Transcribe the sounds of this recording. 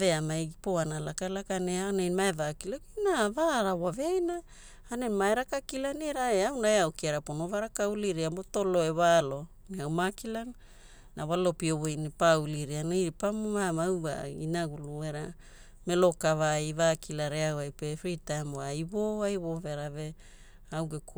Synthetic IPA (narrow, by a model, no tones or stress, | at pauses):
ve̞amaɡipo̞analakalakaneanemaevakilakinavaɾawaveajna | anenmaeɾakakilaniɾaeawnaeawkiaɾapono̞vaɾakawliɾiamboto̞lo̞eβalo̞ | niawmakilanː | aβalo̞piowejnipauliɾianajɾipammamawɡa̰ḭnaɡulueɾa | me̞lo̞kavaivakʰilaɾeawajpefɾitajmajβoajβove̞ɾave̞ | awɡek